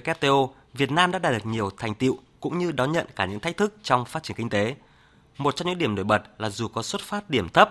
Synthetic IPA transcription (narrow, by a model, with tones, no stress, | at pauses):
kɛ˦˥t̪e˧ʔo˧ | vi˨˩ət̚naː˧mɗa̰ː˧˥ɗ̚ːɗə˩k̚ɲi˨˩əwt̪ʰa˨˩jŋ̟t̪ḭ˧˨wkʊ̰˧˥ŋ͡mɲɨ˧ɗɔ˨˦nɲə̰˧˨nkaː˧˩ɲɨ̰˧˥ŋt̪ʰa˦˥k̚t̪ʰɨ˦˥k̚t͡ɕɔ˧wŋ͡mfaː˦˥tt͡ɕi˧˩əŋki˧ŋ̟t̪e˨˦ | mo˨˩t̚t͡ɕɔ˧ŋ͡mɲɨ̰˧˥ɗi˧˩əmno˧˩jɓə˨˩t̚laː˨˩zu˨˩kɔ˨˦swə˦˥t̚faː˦˥t̚ɗi˧˩əmt̪ʰə˦˥p̚